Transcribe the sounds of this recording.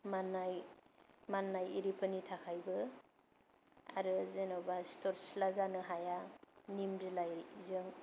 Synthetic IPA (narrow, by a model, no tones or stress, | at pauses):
manːaj | manːajiɾipʰɯnitʰakʰajbɯ | a̰ɾɯzenawbastɔɾslazanɯɦajanimzɯlajɾizɯŋ